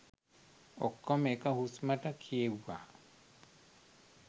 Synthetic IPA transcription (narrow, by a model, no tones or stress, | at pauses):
ɔkːɔmɛkahusmatakʰiewa̰